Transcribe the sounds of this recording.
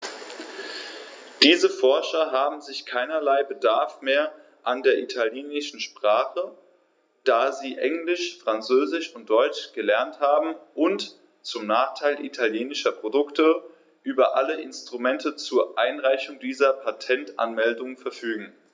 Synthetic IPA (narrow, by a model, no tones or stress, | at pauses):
d̥iːzəfɔɐʃɐɦaːbm̩zɪçkʰaɪnɐlaɪbədaɐfmeːɐ | ʔandeːɐʔitʰaljeːnɪʃn̩ʃpʁ̥aːχə | d̥aːziːʔɛŋlɪʃfʁ̥ant͡søːzɪʃʊnt̚d̥ɔʏt͡ʃɡ̥əlɛɐnthaːbm̩ʔʊnt | t͡sʊmnaːχtʰaɪlʔḭtʰaljeːnɪʃɐpʁ̥odʊktə | ʔyːbɐʔaləʔɪnstʁ̥umɛntət͡suːɐʔaɪnʁaɪçʊŋdiːzɐpʰatʰɛntʔa̰nmɛldʊŋənfɛɐfyːɡŋ̩